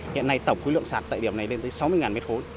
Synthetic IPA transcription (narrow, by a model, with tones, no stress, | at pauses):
hḭ˧˨ənːa˧jt̪ə˨˩ŋ͡mxu˨˦lɨ̰˧˨ənsaː˧˩a̰ː˧˨jɗi˧˩əmna˨˩jle˧nt̪əː˨˦jsa˨˦wmɨ˧əŋaː˨˩mɛ˦˥t̚xo˨˦j